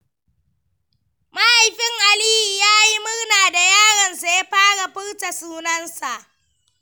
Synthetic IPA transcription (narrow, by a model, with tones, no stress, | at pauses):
ma˦ʔa˨jɸɪ˦ŋʔa˨liː˦hi˨jaː˦ji˦mʊ˦rnaː˨da˨jaː˦ɽɐ˨nsa˨ja˦ɸaː˦ɽa˨ɸɪ˦ɽta˨suː˦nɐ˦nsa˨ʔ